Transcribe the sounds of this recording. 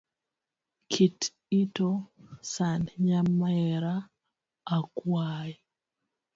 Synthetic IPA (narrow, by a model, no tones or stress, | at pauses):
kʰit | itosanɲamaɛɾaː | kwai